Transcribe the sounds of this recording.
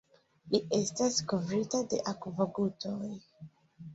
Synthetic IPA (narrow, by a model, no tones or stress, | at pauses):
liʔestaskovɾitade̞̰ʔakvoɡutoj